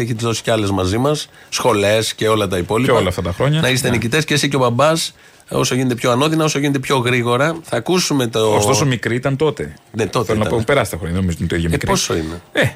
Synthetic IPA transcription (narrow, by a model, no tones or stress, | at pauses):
eçit̪izðo̞si̥ceɐle̞zmɐzimɐsːxo̞le̞sce̞o̞lɐt̪ɐipo̞lipoɐlɐːft̪ɐt̪ɐxɾo̞ɲɐnɐist̪enicit̪e̞scesiceopɐbɐs | o̞soʝinet̪epço̞ɐno̞ðinɐo̞soʝinet̪epço̞ɣɾiɣo̞ɾɐθɐkusume̞t̪oostt̪o̞somikɾiit̪ɐnt̪o̞t̪e̞net̪ot̪eonɐpompeɾɐsi̥t̪ɐxɾoɲɐðenomizot̪nt̪oiðjemekɾposo̞̰ine̞e